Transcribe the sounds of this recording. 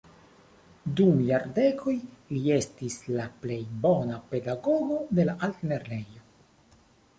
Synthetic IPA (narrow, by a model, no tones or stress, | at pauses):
dumjaɾde̞kʰo̞jlie̞stislaple̞jbo̞nape̞daɡo̞ɡo̞de̞laʔaltneɾne̞jo̞